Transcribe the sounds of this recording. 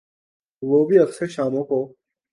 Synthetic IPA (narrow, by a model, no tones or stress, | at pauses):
ʋoːbʱiːɐkseːʃaːmõːkoː